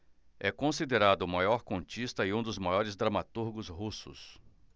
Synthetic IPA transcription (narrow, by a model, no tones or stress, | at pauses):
ɛkõsid̪eɾad̪ʊmajɔɾkõt͡ʃist̪ɐɪũd̪ʊzmajɔɾɪzd̪ɾɐmat̪uɾɡʊzɦusʊ̰s